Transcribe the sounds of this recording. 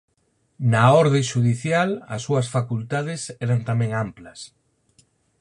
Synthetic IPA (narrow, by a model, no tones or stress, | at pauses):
naɔɾðẽʃuðiθjalɐ̰sːuɐsfakult̪aðɪsɛɾant̪amɛ̃ŋamplɐs